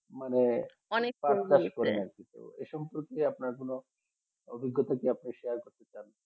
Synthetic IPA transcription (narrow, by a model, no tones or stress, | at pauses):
mane | ɔnepakaʃkɔɾenaɾkit̪ṵḛʃɔmpoɾkeapnaɾkono | o̰bʱiɡːɔt̪akeapniʃeaɾkoɾt̪et͡ɕan